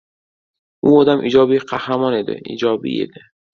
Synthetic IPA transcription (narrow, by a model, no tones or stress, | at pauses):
uːɒːd̪amʔiːd͡ʒɒːbiqʰahɾamɒːned̪ɛ̰ḭːd͡ʒɒːbḭḛd̪e